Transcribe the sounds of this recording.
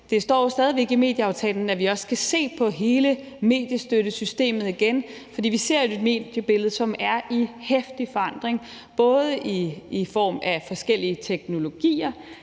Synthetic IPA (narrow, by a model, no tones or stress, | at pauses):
d̥e̝sd̥ɒ̰ːsd̥ɛːðˠiʋeɡ̥ime̝̰ːd̥jəɑ̈ʊt͡sʰɛ̰ːln̩æʋiɒ̽skʰæse̝̰ːpʰɒ̽ɦe̝ːlə | me̝̰ːd̥jəsd̥øɾəsysd̥e̝̰ːmð̞̩ˠiɡ̥enfɒ̽d̥ḭːʋise̝ɐ̰jo̝e̝d̥me̝̰ːd̥jəb̥e̝lð̞̩ˠsɒ̽mæɐʔihefd̥ifɒ̽ɑ̈n̰d̥ʁeŋ | b̥ɔ̽ːð̞ˠəʔiːfɒ̰ːmæfɒ̽sɡ̥el̰iət͡sʰeɡ̥no̝lo̝ɡ̥ḭːɐ